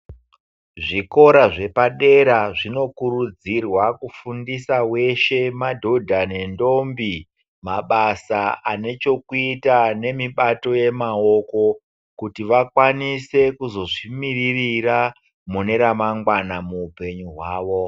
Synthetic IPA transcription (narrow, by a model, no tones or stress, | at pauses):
ʐiko̞ɾaʐe̞paɗe̞ɾaʐino̞kuɾud͡zirwakufundisawe̞ʃe̞madʱo̞dʱane̞ndo̞mbi | maɓasaane̞t͡ʃo̞kuitane̞miɓato̞je̞mao̞ko̞ | kutiʋakwanise̞kuzo̞ʐimiririra | mune̞ɾamaŋɡwanamuːpe̞ɲuɦwaːʋo̞